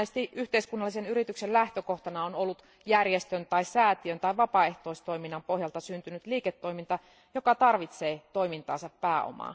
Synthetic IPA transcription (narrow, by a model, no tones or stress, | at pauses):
est̪iyht̪eiskunːɑlːisenyɾit̪yksellæht̪økoht̪ɑnɑonolːut̪ | jærjest̪ønt̪ɑissæːt̪iønt̪ɑiʋɑpɑeht̪oist̪oiminːɑmpohjɑlt̪ɑsynt̪ynyt̪liːket̪ːoimint̪ɑ | jokɑt̪ɑrʋit̪seːt̪o̞imint̪ɑːnsɑppæːo̰mɑ̰ː